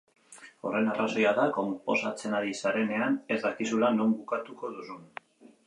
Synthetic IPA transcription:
o̞̰re̞naraso̞jaðako̞mpo̞sat͡se̞naɾisaɾe̞ne̞ane̞zd̪akisulano̞mbukat̪uko̞ðusun

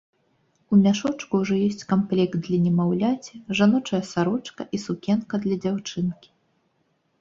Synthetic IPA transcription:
umʲaʂɔt͡ʂkuuʐɔjɔsʲt͡sʲkamplʲɛk̚t̪̚d̪lʲɐnʲɛmawlʲat͡sʲɛʐanɔt͡ʂɐjɐsaɾɔt͡ʂkɐ̰ʔisukʲɛnkɐd̪lʲɐd͡zʲawt͡ʂɨnkʲi̥

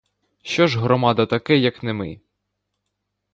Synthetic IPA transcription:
ʃt͡ʃɔʒɦɾɔmɑd̪ɐt̪ɐkɛjɐknemɪ

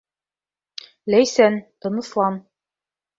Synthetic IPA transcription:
læjsænt̪ɤ̆nɤ̆slˠɑn

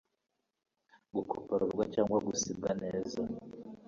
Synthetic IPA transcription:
ɡukʰopaɾuɾɡwacaːŋɡwaɡusib̚ɡane̞ːza

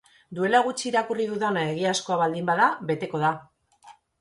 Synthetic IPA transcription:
d̪ue̞laɣut͡ʃiːɾakuriðuðanaeɣ̞iasko̞aβald̪imbaðaβe̞t̪e̞ko̞ð̞a

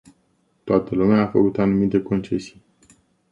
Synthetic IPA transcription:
t̪oat̪əlumeaːfəkut̪anumit̪e̞ko̞nt͡ʃe̞si̥j

